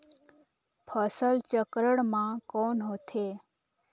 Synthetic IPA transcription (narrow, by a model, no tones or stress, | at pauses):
pʰəsəlt͡ʃəkɾəɽmãkonɦot̪ʰe